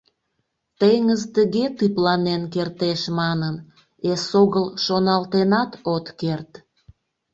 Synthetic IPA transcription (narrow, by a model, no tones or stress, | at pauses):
t̪ejŋəzt̪əɣet̪yplɑnenkert̪eʃmɑnən | esoɣəlʃonɑlt̪enɑt̪ot̪kert̪